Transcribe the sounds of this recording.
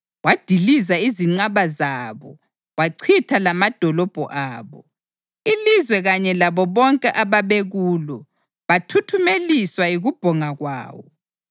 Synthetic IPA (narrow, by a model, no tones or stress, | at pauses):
wad̥ʱilizaiziŋ͡ǀaβazaːβɔ | waǀʰitʰalamad̥ʱɔlɔb̥ʱɔ̰ʔaːβɔ | ilizwɛɣaɲɛlaβɔβɔŋkʼɛʔaβaβeɣuːlɔ | βatʰutʰumeliswaiɣub̥ʱɔŋaɣwa̰ːwɔ̰